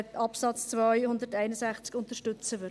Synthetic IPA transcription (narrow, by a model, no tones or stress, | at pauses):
tɑpsɑt͡st͡svœʏjhʊndəɾtæɪnəsæχt͡skʊntəʃtʏt͡səʋʏ